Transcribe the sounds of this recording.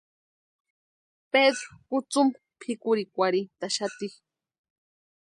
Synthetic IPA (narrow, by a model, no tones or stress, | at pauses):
ped̪ɾokʊt͡sʊm | pʰikʊɾikʷaɾit̪aʃat̪i